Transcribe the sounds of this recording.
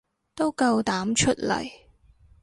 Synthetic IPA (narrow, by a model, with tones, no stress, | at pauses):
t̪o˥wkɐ˧wt̪aː˨˥mt͡ʃʰɵ˥t̚lɐ̰˨˩j